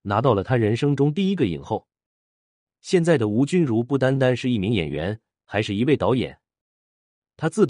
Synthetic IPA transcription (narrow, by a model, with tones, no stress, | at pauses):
na˧˥t̪ɑ˥˩ʊlə˩t̪ʰa˥ɻə˧˥nʂɤ˥ŋʈ͡ʂʊ˥ŋt̪̬i˥˩i˥ɡə˧˨ḭ˨˩nxo˥˩ʊ | ɕjɛ˥˧nt͡sa˥˩ɪd̪ə˩u˧˥t͡ɕy˥nɻu˧˥pu˥˩t̪̬a˥nt̪a˥nʂɻ̩˥˧i˥˩mi˧˥ŋjɛ̰˨˩nɥɛ̰˧˥n | xa˧˥ɪʂɻ̩˥˩i˧˥we˥˩ɪt̪ɑ˧˥ʊjɛ̰˨˩˦n | t̪ʰa˥t͡sɹ̩˥˩t̪